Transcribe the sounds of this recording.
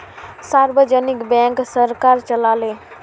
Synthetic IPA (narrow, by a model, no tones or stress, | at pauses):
saːɾbəd͡ʒənɪkbɛ̃ːŋksəɾkaːɾt͡ʃəlaːleː